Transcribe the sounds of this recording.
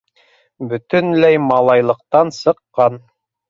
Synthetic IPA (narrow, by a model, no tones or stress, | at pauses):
bɵ̆t̪ɵnlæjmɑlˠɑjlˠɤ̆q̚t̪ɑnsɤ̆qːɑn